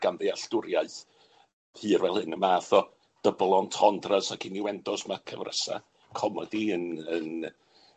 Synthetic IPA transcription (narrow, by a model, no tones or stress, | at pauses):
ɡ̥anðeaɬtʊɾjaɨθ | hɨːrwɛlˠɨŋəmaːθɔ | d̥əblˠɔntʰɔndrasakʰiniwɛndɔsmakʰəvrə̰sa̰ | kʰɔmɔdiənən